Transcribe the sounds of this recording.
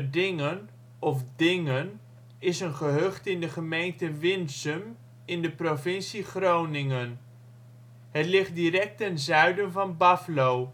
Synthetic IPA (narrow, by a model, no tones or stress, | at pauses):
dɪŋən | ɔfdɪŋən | ɪsənχəɦøχtɪndəχəmejntəʋɪnsəm | ɪndəprovɪnsiχrownɪŋən | ɦətlɪχt̚dirɛk̚tɛnzœɥdənvɑnbɑflow